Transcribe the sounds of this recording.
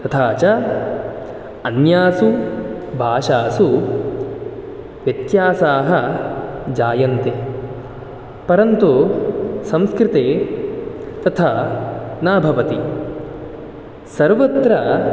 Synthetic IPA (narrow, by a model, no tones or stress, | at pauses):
t̪ɐt̪ʰaːt͡ʃɐ | ɐnjaːsu | bʱaːʃaːsu | ʋjɐt̪jaːsaːɦɐ̆ | d͡ʒaːjɐnt̪eː | pɐɾɐnt̪u | sɐ̃mskɾɪt̪eː | t̪ɐt̪ʰa | naːbʱɐʋɐt̪i | sɐɾʋɐt̪ɾɐ